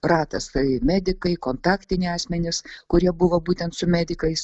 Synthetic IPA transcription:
ɾɑːt̪ɐsɐɪmʲæːd̪ʲɪkɐɪkoːnt̪ɑːkt̪ʲɪnʲɪɑːsʲmʲɛnʲɪskʊɾʲiɛbʊʋɐbuːt̪ʲɛnt̪sʊmʲæːd̪ʲɪkɐɪs

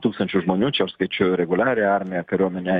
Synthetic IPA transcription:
t̪uksɨnt͡ʃuʒmonʲut͡ʃaskət͡ʃuɾeɡulaɾeaarmeakəɾamenʲa

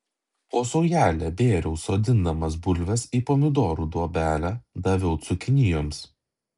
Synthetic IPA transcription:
oːsɔʊjæːlʲɛbʲeːɾʲɛʊsoːd̪ʲɪnd̪ɐmɐs̬bʊlʲʋʲɛsiːpoːmʲɪd̪oːɾuːd̪uɔbʲæːlʲæːd̪ɐʋʲɛʊt̪sʊkʲɪnʲɪjoːms

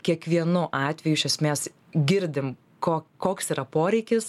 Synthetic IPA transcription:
kʲiɛkʋʲiɛnʊʔɑːt̪ʲʋʲɛjuɪʃʲɛsʲmʲeːs | ɡʲɪɾʲd̪ʲɪm | koːkoːksiːɾɐpoːɾʲɛɪkʲɪs

